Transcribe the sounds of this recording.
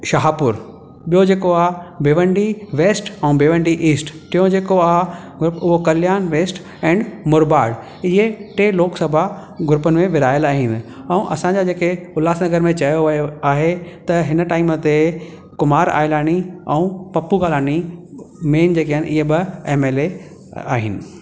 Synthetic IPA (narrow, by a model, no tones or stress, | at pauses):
ʃɐɦaːpʊɾ | ɓijod͡ʑeːkoaːbʱeːʋə̃ɳɖiʋeːsʈɛũbʱeːʋə̃ɳɖiʔiːsʈtɪjõd͡ʑeːkoaɦ | ɡʱʊɾʊpʊɦokɐljaːnʋeːsʈ | ɛ̃ːɳɖmʊɾbaːɽ | ɪɦeʈeːloːksɐbʱa | ɡʱʊɾʊpənɪ̆mẽʋɪɾaːjəlaːɦiːnɪ̆ | ɛũʔɐ̰sãɲd͡ʑad͡ʑeːkeʊlaːsnɐɡəɾmẽt͡ɕɐjoʋjoaːɦet̪ɐɦɪnəʈaːɪmət̪e | kʊmaːɾa̰ːɪlaːɽ̃iɛũpɐpuɡaːlaːɽ̃imeːnd͡ʑeːkiəɪnʔɪɦebɪeːmeːle | a̰ːɦɪnɪ̆